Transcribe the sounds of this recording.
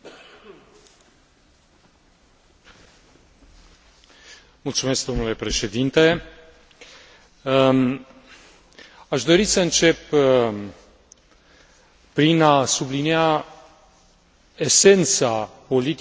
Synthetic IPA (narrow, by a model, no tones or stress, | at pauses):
mult̪sume̞sk̚d̪o̞mnule̞pɾe̞ʃe̞d̪int̪e̞ | aʃd̪o̞ɾisəɨnt͡ʃe̞p | pɾinasublinia | ese̞nt̪sapo̞lit̪